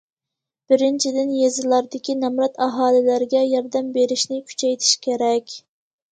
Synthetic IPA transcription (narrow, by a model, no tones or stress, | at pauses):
b̥ɪɾɪnt͡ʃʰid̪ɪnjezɨlˠɑɾd̪ɪkʲʰinɛmɾɑt̪ɑɦɑːlˠɪlæɾɡʲɛjɑɾd̪ɛmbeɾɪʃnɪkʲʰy̥t͡ʃʰɛjt̪ʰɪ̥ʃkʲʰeɾɛkʲ